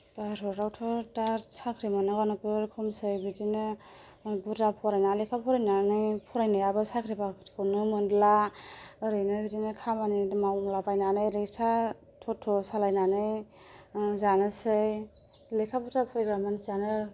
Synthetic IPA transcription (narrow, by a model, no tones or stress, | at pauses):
baɾɔɾawtʰɔtaɾsakʰɾimanɯɡanɯkɯɾkʰɔmsɯjbitinɯ | butapʰɔɾajnalekʰapʰɔɾajnanɯjpʰɔɾajnɯjabɯsakʰɾibakʰtʰi̥kʰɯwnɯmɯndlaɯɾɯjnɯbitinɯkʰamanimawŋlapajnanɯjɾetʰa | tʰɔtʰːɔsalajnanɯj | zanɯsɯj | lekʰabutapʰɔɾaɡɾamansanɯ